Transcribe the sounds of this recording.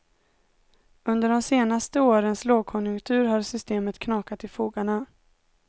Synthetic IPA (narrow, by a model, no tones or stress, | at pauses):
ɵnd̪əɖɔmseːnast̪əoːɾənsloːɡ̚kʰɔnjɵŋkt̪ʰʉ̟ːɾɦaɾsʏst̪eːmət̪kʰnɑːkat̪ɪfuːɡaɳa